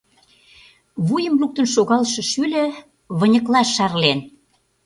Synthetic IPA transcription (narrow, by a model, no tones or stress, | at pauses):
βujə̆mluk̚t̪ə̆nʃoɣɑlʃɤ̆ʃylʲə̆ | βə̆nʲə̆klɑʃɑrlen